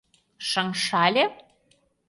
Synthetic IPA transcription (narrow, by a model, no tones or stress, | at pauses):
ʃəŋʃɑlʲe